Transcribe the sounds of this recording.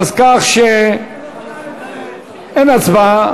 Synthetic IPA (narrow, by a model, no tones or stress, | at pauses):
zkaχʃe | enat͡sba